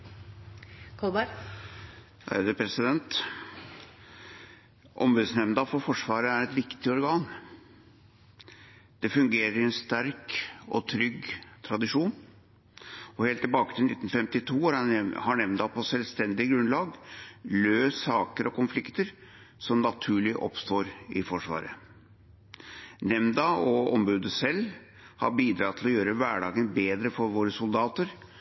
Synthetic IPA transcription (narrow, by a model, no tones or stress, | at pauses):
kʰɔbɑ | æ̰d̪əpʰɾɛsɪd̪ɛnt̪ | ʔɔ̰mbʉd̪snɛmɑfɔɾfɔʂʋɑːɾəæɾɛt̪ʋɪkt̪ɪɔɾɡɑːn | d̪̥ɛfʉŋɡeːɾəɾɪɛnst̪æɾkɔt̪ʰɾʏɡt̪ʰɾɑd̪ɪʂuːn | ɔheːlt̪ʰːɪɛlbɑːkət̪ʰɪlnɪt̪ːn̩fɛmt̪ɪt̪ʰuːɑɾɑhɑɳɛmnɑpʰɔsɛlst̪ɛnd̪ɪɡɾʉnlɑːɡløːsɑːkəɾʔɔkʊnflɪkt̪əɾ | sɔmnɑt̪ʰʉːɭɪʔɔ̰pst̪oːɾɪfɔʂʋɑ̰ːɾə | nɛmnd̪ɑɔɔmbʉːd̪əsɛlː | hɑ̰ɾbiːd̪ɾɑt̪ʰɪlɔjøːɾəʋæːɖɑ̰ːɡənbeːd̪ɾəfɔɾʋoːɾəsʊld̪ɑːt̪əɾ